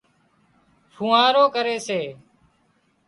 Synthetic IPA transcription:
fʰũːaːɾoːkəɾeːseː

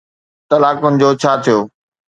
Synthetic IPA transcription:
t̪ɐlaːkʊnɪ̆d͡ʑoːt͡ɕʰaːt̪ʰijoː

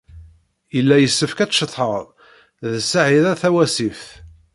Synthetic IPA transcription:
jəlːæjəsːəfkæt͡sːʃət̪ˤħəɾˤ | ðsaʕiðæθæwæsifθ

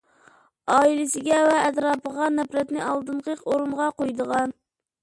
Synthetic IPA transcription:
ɑːilɪsɪɡʲɛvɛːt̪ɾɑːpʰəʁɑnɛpɾɛt̪nɪɑlˠd̪ɨɴqʰəqoɾuɴʁɑqojd̪əʁɑn

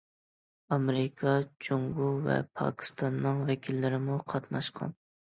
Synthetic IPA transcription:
ɑmɾɪkʰɑt͡ʃʰoŋɡuvɛ̰pʰɑ̰kʲʰi̥st̪ʰɑnːɨŋvɛkʲʰilːɪɾɪmuqʰɑt̪nɑʃqʰɑ̰n

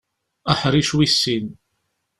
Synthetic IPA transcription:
aħɾˤiʃwisːin

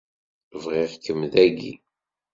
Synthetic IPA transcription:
vʁiʁkːəmðæɡḭ

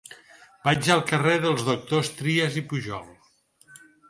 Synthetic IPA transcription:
b̥ad͡ʒəlˠkəreðəlˠzðuk̚t̪ost̪ɾiəzipuʒɔ̰lˠ

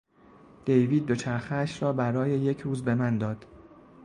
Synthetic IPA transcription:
d̪̥e̞jviːd̪̚ːo̞t͡ʃʰæɾxeæʃɾɒːbæɾɒːjeje̞cʰɾuːzbe̞mænd̪ɒːd̪̥

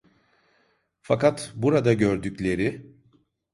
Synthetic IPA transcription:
fakat̪buɾad̪aɟøɾd̪yclʲe̞ɾɪ

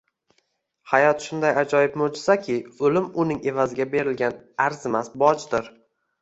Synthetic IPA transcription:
hajɒt̪ʃʊnd̪ajad͡ʒɒjɪpmod͡ʒɪsakʲʰɪolɪmʊnɪŋe̞vazɪɡʲabe̞ɾɪlɡʲanaɾzɪmasbɒd͡ʒd̪ɪɾ

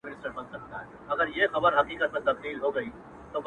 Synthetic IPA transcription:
ɪnɪsʈəɾbɐ̃nd̪̚kɐɾt̪aɦɛː | ɐɡəɾjexɐbəɾɦɐqiːkət̪̚mẽt̪ɐkliːlɦoɡɐiː | t̪ob

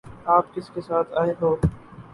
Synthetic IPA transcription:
aːpkɪskesaːt̪ʰaːɪɦoː

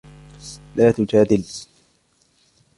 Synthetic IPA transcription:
laːt̪ʊd͡ʒaːd̪ɪl

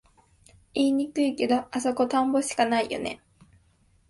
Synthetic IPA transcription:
iːɲ̟ikɯ̟ike̞d̪o̞aso̞ko̞t̪ãmbo̞ɕi̥kanaijo̞̰ne̞̰

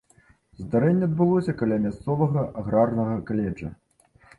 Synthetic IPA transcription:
zd̪aɾɛnʲːɛɐd̪̚bɨlˠɔsʲɐkalʲamʲast̪sɔvɐɣɐʔaɣɾarnɐɣɐkalʲɛd͡ʐɐ̰

